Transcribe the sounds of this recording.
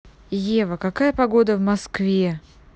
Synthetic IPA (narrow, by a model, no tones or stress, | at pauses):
jevəkɐkajəpɐɡo̞d̪əvmɐskvʲe